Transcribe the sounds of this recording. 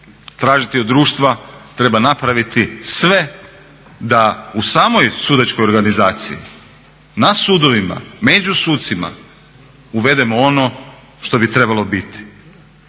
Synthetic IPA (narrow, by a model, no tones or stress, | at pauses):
t̪ɾaːʒit̪iod̪ːɾuːʃt̪ʋat̪ɾe̞banapɾaʋit̪isʋe̞ | d̪ausaːmo̞jsud̪at͡ɕkojo̞ɾɡanizaːt̪sḭḭ | nasuːd̪o̞ʋima̰me̞d͡ʑusuːt̪t̪sima̰ | uʋe̞d̪emoo̞no̞ | ʃt̪o̞bit̪ɾe̞balˠo̞bit̪i̥